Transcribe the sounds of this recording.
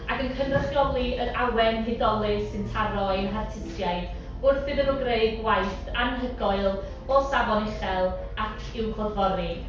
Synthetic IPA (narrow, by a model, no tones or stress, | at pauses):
aɡənkʰənraθɡ̥ɔblˠiəɾawɛnɦɪdɔlˠɪsɨntʰaɾɔinɦartʰɪsjaɨd̥ | ʊrθɪðəvəɡreɨd̚wajθanɦəɡɔɨlˠ | ɔsavɔnɪχɛlˠ | akʰɪwχɔrvɔɾɨ